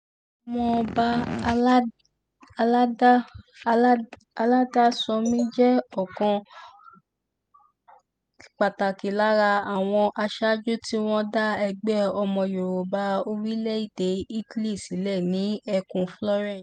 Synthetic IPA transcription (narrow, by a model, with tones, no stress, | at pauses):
ɔ˧˨˧mɔ̃˧ba˦˧˦ | a˧la˦ | a˧la˦da˦sɔ˧mĩ˦d͡ʒɛ˦ɔ˦˨kɔ̃˧ | i˨k͡pa˨ta˨ki˨la˨˦ɾa˧a˨w̃ɔ̃˧ʔa˧ʃa˦d͡ʒu˦ti˦w̃ɔ̃˦da˦ɛ˧ɡ͡bɛ˦ɔ˧mɔ̃˧jo˨ɾo˨ba˧˦o˧ɾi˦lɛ˦i˦˨de˨˦i˦tli˦˨si˨˦lɛ˦˨nĩ˨˦ɛ˧kũ˨flɔ˦ɾɛ̃˦˨